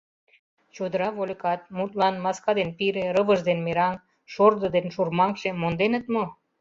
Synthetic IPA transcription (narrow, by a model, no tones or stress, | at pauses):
t͡ɕod̪əɾɑβolʲekɑt̪̚mut̪lɑnmɑskɑd̪enpiɾĕɾəβəʒd̪enmeɾɑŋ | ʃord̪əd̪enʃurmɑŋkʃemond̪enə̆t̪̚mo